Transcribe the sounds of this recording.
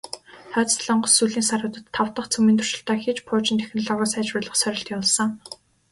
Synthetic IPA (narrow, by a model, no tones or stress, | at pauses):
χœːt͡sɮə̆ɴɢɞ̆ssuɮiːnsaɾə̆t̪ə̆t̪ʰːawt̪ə̆χt͡sʰɵmiːnt̪ʰʊ̥rʃɪ̆ɬt̪æːxiːt͡ɕpʰʊːt͡ɕɪ̆nt̪ʰæ̥x̆nɮɔːɣɔːsæːt͡ɕʊːɮə̆χsœɾʲɪ̆ɬt̪kaɮsɞ̆ŋ